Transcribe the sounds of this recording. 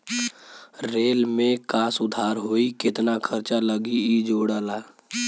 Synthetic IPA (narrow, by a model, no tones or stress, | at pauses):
ɾeːlmẽkaːsʊd̪ʱaːɾɦoːikɪt̪nakʰəɾt͡ʃaləɡiid͡ʒoːɽaːla